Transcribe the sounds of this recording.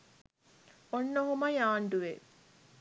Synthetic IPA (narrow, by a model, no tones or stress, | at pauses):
onːoɦumɐjaːɳɖuʋe